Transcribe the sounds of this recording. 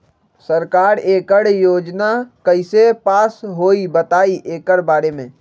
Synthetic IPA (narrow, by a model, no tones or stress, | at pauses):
səɾkaːɾeːkəɽjoːd͡ʒnakəɪsepaːsɦoːibət̪aːiʔeːkəɾbaːɾemẽː